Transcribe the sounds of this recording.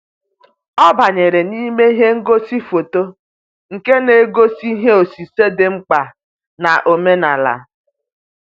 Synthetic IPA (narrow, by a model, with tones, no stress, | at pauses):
ɔ˦ba˨ɲe˨ɾe˨ni˦me˦i˦ɦe˦ŋ̩˦ɡo˦si˦fo˨to˦ | ŋ̩˨ke˦ne˨˦ɡo˦si˦ɦe˦o˨si˨se˦de˦ŋ͡m̩˦k͡pa˨ | na˨ʔo˨me˦na˨la̰˨